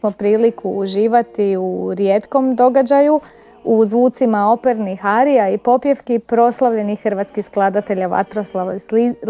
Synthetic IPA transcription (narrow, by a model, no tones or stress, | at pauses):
mopɾiːlikʰuːʒiːʋat̪iuɾjet̪ko̞md̪o̞ɡad͡ʑaju | uzʋuːt̪simao̞peɾnixaɾiaipo̞pjefkipɾo̞slˠaʋʎe̞nixːrʋaːt̪skixsklˠad̪at̪e̞ʎaʋa̰t̪ɾoslˠai